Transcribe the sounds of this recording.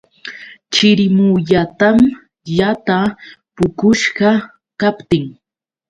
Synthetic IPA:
t͡ʃɪɾɪmuʎat̪am | ʎat̪apʊkʊʃɢɑ | kapt̪ɪŋ

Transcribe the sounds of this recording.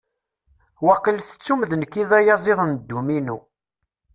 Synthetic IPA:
wɑqːəlθə̥t͡sːumðənkːiðæjɑzˤeðˤənd̪ːuminu

